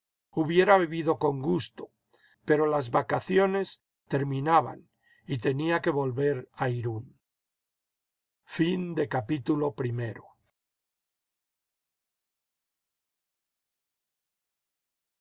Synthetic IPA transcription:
uβje̞ɾaβiβiðo̞ko̞ŋɡust̪o̞ | pe̞ɾo̞lazβakaθjo̞ne̞s | t̪e̞ɾmĩnaβa̰n | it̪e̞niake̞βo̞lβe̞ɾaiɾun | find̪e̞kapit̪ulo̞pɾime̞ɾo

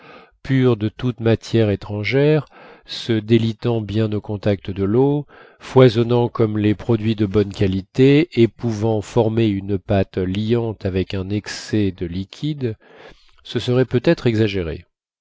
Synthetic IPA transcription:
pyʁd̪ət̪ut̪mat̪jɛʁet̪χɑ̃ʒɛʁsəd̪elit̪ɑ̃bjɛ̃nokɔ̃t̪ak̚t̪əd̪əlo | fwazɔnɑ̃kɔmlepχɔd̪ɥid̪əbɔnkalit̪eepuvɑ̃fɔʁmeynpat̪liɑ̃t̪avɛkɛ̃nɛksɛd̪əlikʲʰid̪ | səsəʁɛpøt̪ɛt̪χɛɡzaʒeʁḛ

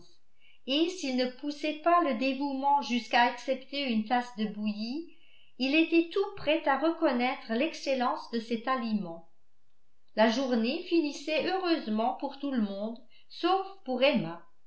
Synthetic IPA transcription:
esilnəpusɛpaləd̪evumɑ̃ʒyskaːksɛpt̪eynt̪asd̪əbuji | ilet̪ɛt̪upχɛt̪aʁəkɔnɛt̪χəlɛkselɑ̃sd̪əsɛt̪alimɑ̃ | laʒuʁnefinisɛøʁøzmɑ̃puʁt̪uləmɔ̃d̪ | sofpuʁɛma

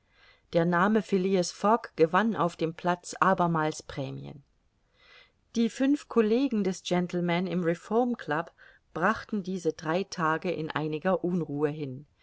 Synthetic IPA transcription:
d̥eːɐnaːməfɪliəsfɔkɡ̥əvana̰ʊfd̥eːmpʰl̥at͡sʔaːbɐmaːlspʁ̥ɛːmḭə̰n | d̥iːfʏnfkʰoleːɡŋ̩dɛsd͡ʒ̥ɛntl̩mɛnɪmʁɛfɔɐmkʰl̥ap | b̥ʁaχtn̩diːzədʁaɪtʰaːɡəʔɪ̰nʔa̰ɪnɪɡɐʔuːnʁuːəɦɪn

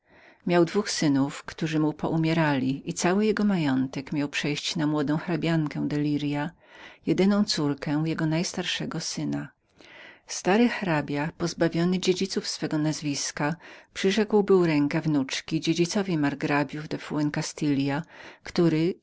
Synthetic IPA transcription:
mʲjawd̪vuxsɘnufkt̪uʐɘmupɔʔumʲjɛɾalʲiit̪sawɘjɛɡɔmajɔnt̪ɛkmʲjawpʂɛjɕt͡ɕnamwɔd̪ɔ̃w̃xɾabʲjaŋkɛw̃d̪ɛlʲiɾja | jɛd̪ɘnɔ̃w̃t̪suɾkɛjɛɡɔnajst̪aɾʂɛɡɔsɘna | st̪aɾɘxɾabʲjapɔzbavʲjɔnɘd͡ʑed͡ʑit̪sufsfɛɡɔnazvʲiskapʂɘʐɛkwbɘɾɛŋkɛvnut͡ʂkʲid͡ʑed͡ʑit̪sɔvʲimaɾɡɾabʲjuvd̪ɛfuɛnkast̪ɘlʲjakt̪uɾɘ

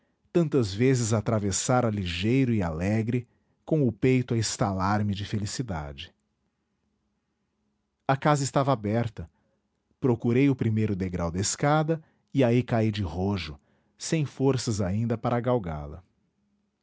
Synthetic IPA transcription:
t̪ɐ̃nt̪ɐzvezɪzat̪ɾavesaɾɐliʒejɾʊɪalɛɡɾɪ | kõʊpejt̪ʊɐĩst̪alaɾmɪd͡ʒɪfelisid̪a̰d͡ʒɪ | ɐkazɐɪst̪avɐabɛɾt̪ɐ | pɾokuɾejʊpɾimejɾʊd̪eɡɾawd̪ɐɪskad̪ɐ | iaikaijd͡ʒɪhoʒʊ | sẽj̃foɾsɐzaĩnd̪ɐpaɾɐaɡawɡa̰lɐ̰

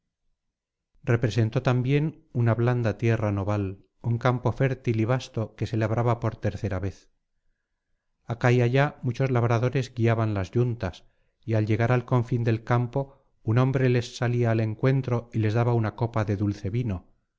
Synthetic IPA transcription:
re̞pɾe̞se̞nt̪ot̪ambje̞n | unaβland̪at̪je̞rano̞βal | uŋkampo̞fe̞ɾt̪iliβ̞ast̪o̞ke̞se̞laβɾʔaβapo̞ɾt̪e̞ɾθe̞ɾaβe̞θ | akaiaʝamut͡ʃo̞zlaβ̞ɾaðo̞ɾe̞zɡiaβanlazʝunt̪as | ialʎe̞ɣ̞aɾalko̞ɱfind̪e̞lkampo̞ | unõ̞mbɾe̞le̞sːaliaːle̞ŋkwe̞nt̪ɾo̞ile̞zðaβaunako̞paðe̞ðulθe̞βino

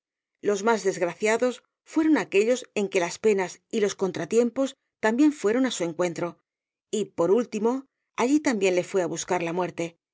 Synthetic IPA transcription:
lo̞zmazðe̞zɣɾaθjaðo̞s | fwe̞ɾo̞nake̞ʎo̞se̞ŋke̞laspe̞nasilo̞sko̞nt̪ɾat̪je̞mpo̞s | t̪ambje̞ɱfwe̞ɾo̞nasue̞ŋkwe̞nt̪ɾo̞ | ipo̞ɾult̪imo̞ | aʎit̪ambje̞nle̞fwe̞aβuskaɾlamwe̞ɾt̪e̞

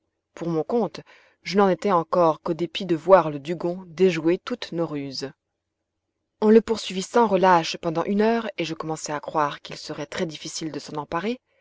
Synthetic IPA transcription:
puʁmɔ̃kɔ̃t̪ | ʒənɑ̃net̪ɛɑ̃kɔʁkod̪epid̪əvwaʁləd̪yɡɔ̃d̪eʒuet̪ut̪noʁyz | ɔ̃ləpuʁsɥivisɑ̃ʁəlaʃpɑ̃d̪ɑ̃ʔynœːʁeʒəkɔmɑ̃sɛakχwaʁkilsəʁɛt̪χɛd̪ifisild̪əsɑ̃nɑ̃paʁe

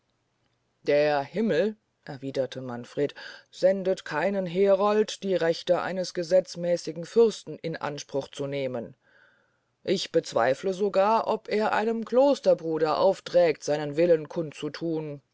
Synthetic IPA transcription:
d̥eːɐhɪml̩ | ʔɛɐviːdɐtʰəmanfʁ̥eːtz̥ɛndətkʰaɪnənɦeːʁɔltd̥iːʁɛçtəʔa̰ɪnəsɡ̥əzɛt͡smɛːsɪɡŋ̩fʏɐstn̩ʔɪnʔa̰nʃpʁ̥ʊχt͡suneːmən | ʔɪçb̥ət͡sv̥a̰ɪfləzoɡaːɐʔɔpeːɐʔa̰ɪnəmkl̥oːstɐbʁuːɾɐʔa̰ʊftʁ̥ɛːktz̥aɪnənvɪlənkʰʊnt͡sutʰuːn

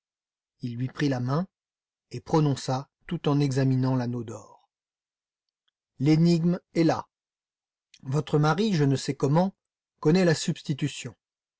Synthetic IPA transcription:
ilːɥipχilamɛ̃ | epχɔnɔ̃sat̪ut̪ɑ̃nɛɡzaminɑ̃lanod̪ɔʁ | leniɡmɛla | vɔt̪χəmaʁiʒənəsɛkɔmɑ̃ | kɔnɛlasybst̪it̪ysjɔ̃

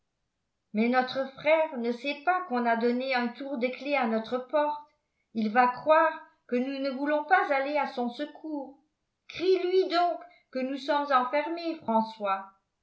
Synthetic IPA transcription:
mɛnɔt̪χəfχɛːʁnəsɛpakɔ̃nad̪ɔneɛ̃t̪uʁd̪əkleanɔt̪χəpɔʁt̪ | ilvakχwaʁ | kənunəvulɔ̃pazaleasɔ̃səkʰuːʁ | kχilɥid̪ɔ̃kː | ənusɔmzɑ̃fɛʁmefχɑ̃swa

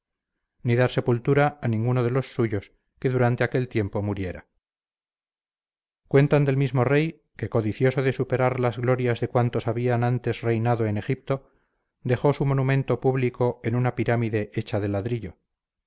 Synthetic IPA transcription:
niðaɾse̞pult̪uɾaːnĩŋɡunoðe̞lo̞sːuʝo̞s | ke̞ðuɾant̪e̞ake̞lt̪je̞mpo̞muɾje̞ɾa | kwe̞nt̪and̪e̞lmizmo̞re̞j | ke̞ko̞ðiθjo̞so̞ðe̞supe̞ɾaɾlazɣlo̞ɾjazðe̞kwant̪o̞saβianant̪e̞srejnaðo̞ene̞xip̚t̪o̞ | d̪e̞xo̞sumo̞numẽ̞nt̪o̞puβliko̞enunapiɾamiðe̞ʔet͡ʃaðelaðɾiʎo̞

